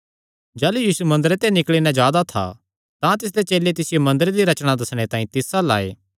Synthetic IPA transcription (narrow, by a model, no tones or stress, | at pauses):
d͡ʒɛːlujiːsumɐ̃nd̪əɾet̪enɪklɭinɛ̃d͡ʒaːd̪at̪ʰa̰ | t̪ãt̪ɪs̬d̪et͡ʃeːlet̪ɪsɪjomɐ̃nd̪əɾed̪iɾɐt͡ʃɽ̃ad̪ɐsɽ̃et̪ãːĩt̪ɪsala̰ːḛː